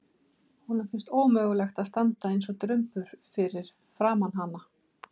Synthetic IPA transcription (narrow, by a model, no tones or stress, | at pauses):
hunʏfɪnst̪oːwmœːɣlɛxt̪aðst̪ant̪aejnsɔt̪ɾʏmpʏɾ̥fɪɾɪɾ̥ | fɾaːmanɦanːa